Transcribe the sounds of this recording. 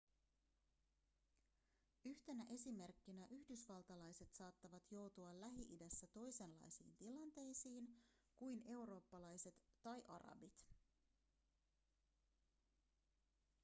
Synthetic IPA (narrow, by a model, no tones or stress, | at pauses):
yçt̪e̞næʔe̞sime̞rkːinæʔyhdysʋɑlt̪ɑlɑjse̞t̪sɑːt̪ːɑʋɑt̪jo̞wt̪uɑlæɦiʔidæsːæt̪o̞jse̞nlːɑ̰jsḭːnt̪ilɑnt̪e̞jsiːnkujne̞uɾo̞ːpːɑlɑjse̞t̪ːɑjʔɑ̰ɾɑ̰bit̪